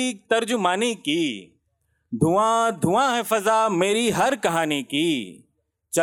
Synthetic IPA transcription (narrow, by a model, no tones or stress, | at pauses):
iːk̚t̪ɐɾd͡ʒʊmaːnikiː | d̪ʱʊãːd̪ʱuʋãɦɛːfɐzaːmeːɾiɦɐɾkɐɦaːniki | t͡ʃɐ